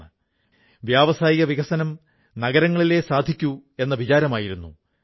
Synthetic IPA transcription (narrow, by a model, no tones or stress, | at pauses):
ɨ | ʋjaːʋɐsaːjiɣɐʋiɣɐsɐnɐm | nɐɣɐɾɐŋːɐɭile̞ːsaːd̪ʱikʲːue̞nːɐʋit͡ɕaːɾɐmaːjiɾunːṵ